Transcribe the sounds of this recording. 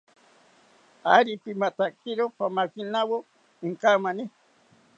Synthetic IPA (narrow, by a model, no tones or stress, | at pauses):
aɾipimat̪akiɾopamakinawo | iŋkamani